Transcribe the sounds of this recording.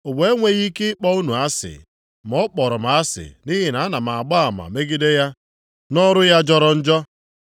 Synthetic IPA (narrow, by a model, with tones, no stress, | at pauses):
ʊ˨ɡ͡be˦ŋʷe˦ɣi˦ke˦ɪ˦k͡pɔ˦u˦nu˨a˦sɪ̰˨ | m˨ɔ˦k͡pɔ˨ɾɔ˨m˨a˦sɪ̰˨ni˦ɦi˨na˨a˦na˨m˨a˨a˨ɡ͡ba˦a˨ma̰˨me˦ɡi˦de˦ja˦ | nɔ˦ɾʊ˦ja˦d͡ʒɔ˦ɾɔ˨n̩˦d͡ʒɔ˦